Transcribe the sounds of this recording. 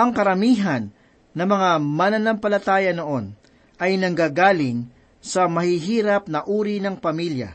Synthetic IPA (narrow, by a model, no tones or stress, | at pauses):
ʔɐŋkɐɾɐmiːɦɐnː | ɐmɐŋamɐnɐnɐmpɐlɐt̪aːjɐno̞ʔo̞n | ʔɐjnɐŋɡaːɡaːlɪŋ | sɐmɐhiɦiːɾɐp̚nɐʔuːɾinɐŋpɐmiljɐ̰